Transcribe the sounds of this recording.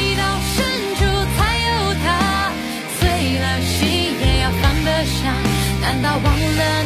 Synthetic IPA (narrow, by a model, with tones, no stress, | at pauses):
t̪ɑ˧ʊʂə˥˩nʈ͡ʂu˧˩t͡sʰa˥˧˥ɪjo˥˧˩ʊt̪ʰa˧˥ | swe˥˩ɪla˧nɕi˧˥ | ə˧˥jɑ˥˧˩ʊt̪ɑ˧˥ŋd̪ə˧ʂɑ˨˩ŋt̪a˧˥nt̪ɑ˥˧˩ʊwɑ˧˥ŋlə˧